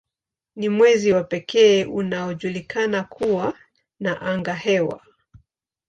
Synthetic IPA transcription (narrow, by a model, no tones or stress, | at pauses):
nimwɛziwapɛkʰɛːunaɔʄulikanakʰuwa | naʔaŋɡahɛwa̰